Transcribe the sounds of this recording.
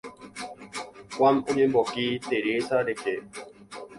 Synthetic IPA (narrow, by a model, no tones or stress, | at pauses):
kʷwamuɲebɔkit̪eɾesaɾeke